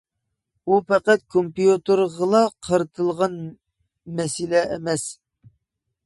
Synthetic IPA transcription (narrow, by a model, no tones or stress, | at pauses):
upɛqæt̪̚kʰompijut̪əɾʁəlˠɑqʰəɾt̪ʰəlˠʁɑn | mɛsɪlɛemɛs